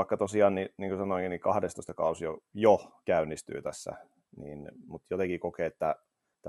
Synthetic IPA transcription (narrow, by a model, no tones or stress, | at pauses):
ɑˑikːɑt̪osiɑːnniniːŋkusɑnoˑiŋkinikɑhdest̪oˑist̪ɑkɑusiojokæynːist̪y̰ːt̪æsːæ̰ | nḭːnmut̪jot̪ekikokeːet̪ːæ | et̪ː